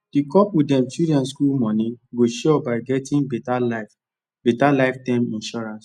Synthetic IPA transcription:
d̥ikɔpudɛ̃mtudiãnskulmɔ̃nĩɡoʃɔbaɪɡɛtĩŋbɛtala | betalaɪftãɪ̃mĩnʃɔɹãns

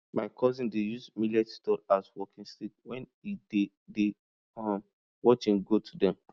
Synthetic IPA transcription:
maɪkʰɔzĩndejuzmilatitɔlaswɔkĩnstik̚wɛ̃n | ide | de | ɔ̃m | wɔt͡ʃĩŋɡotʰudɛ̃m

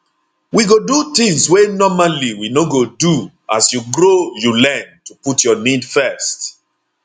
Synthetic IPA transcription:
wiɡodut̪ĩŋswenɔmaliwinoɡodu | asjuɡɹojulɛ̃ntuputʰjɔnidfɛst

